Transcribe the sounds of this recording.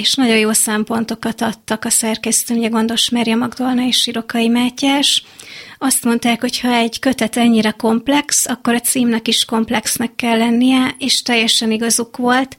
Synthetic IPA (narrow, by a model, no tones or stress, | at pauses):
eːʃnɒɟo̞joːsɛmpo̞nt̪o̞kɒt̪ɒt̪ːɒkɒsɛrkɛst̪ømuɟɛɡo̞nd̪o̞ʃmɛrjɒmɒɡd̪o̞lnɒeːʃiɾo̞kɒimaːcːaːʃ | ɒst̪mo̞nt̪aːkho̞chɒɛɟkø̞t̪ɛt̪ɛɲːiɾɛko̞mplɛksɒkːo̞ɾɒt̪siːmnɛkiʃko̞mplɛksnɛkːɛlːɛnːijɛeːʃt̪ɛjːɛʃɛniɡɒzukʋo̞lt̪